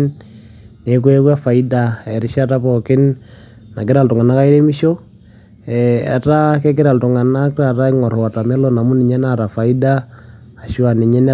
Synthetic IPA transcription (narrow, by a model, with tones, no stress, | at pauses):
n | ne˨˦kwe˦kwa˦fa˨i˦da˨ɛ˨ɾɪ˦ʃa˦ta˦pɔ˨kɪ˦n | na˨kɪ˦ɾa˨ltʊ˨ŋa˨na˦ka˦i˦ɾe˦mi˦ʃo˦ | ɛ˨a̰˨ta˦ke˦k̬ɪ˦ɾa˨ltʊ˨ŋa˨na˦kɾa˨ta˦i˦ŋɔ˨ɾa˨ta˨mɛ˦lo˨na˨mu˦ni˨ɲɛ˦na˦ɾa˨fa˨i˦da˦ | a˨ʃi˦a˨ni˨ɲɛ˦n˦